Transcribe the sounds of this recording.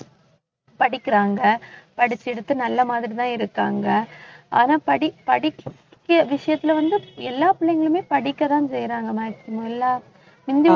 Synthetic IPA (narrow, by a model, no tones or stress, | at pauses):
pɐɽɪkːɪɾaːŋɡɐpɐɽɪt͡ʃːɛɽɯt̪ːɯnɐlːɐmaːðɪɾit̪ãːɪɾɯkːaːŋɡɐaːnaːpɐɽɪpɐɽɪkkkːɐʋɪʂɐjɐt̪ːɪlɐʋɐnd̪ɯɛlːaːpʊɭɐjɐŋɡɐɭɯmeːpɐɽɪkːɐt̪ãːnsɛjɾaːŋɡɐmaːkːɪmõɛlːaː | mɪnd̪ɪ